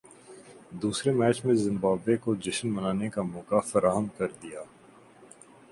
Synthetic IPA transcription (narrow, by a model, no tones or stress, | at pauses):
d̪uːsɾemɛːt͡ʃmẽzɪ̃mbaːbekod͡ʒɐʃənmɐnaːnekamɔːkafɐɾaːɦəmkɐɾd̪ijaː